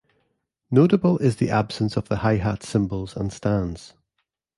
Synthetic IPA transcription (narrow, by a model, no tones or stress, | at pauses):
noʔəbəlˠɪzðiʔab̥sə̃nsəvðəhaɪɦatsɪ̃mbəlˠzə̰̃nstãnz̥